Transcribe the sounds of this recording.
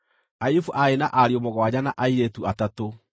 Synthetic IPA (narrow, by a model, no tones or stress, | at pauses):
ajufuʔaenaʔaɾiomoɣwaɲanaʔaiɾetuatato